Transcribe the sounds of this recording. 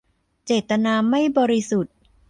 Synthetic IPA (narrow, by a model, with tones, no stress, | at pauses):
t͡ɕeː˨˩t̪ːa˧naː˧ma˥˩jbɔː˧ɾi˦˥su˨˩t̪̚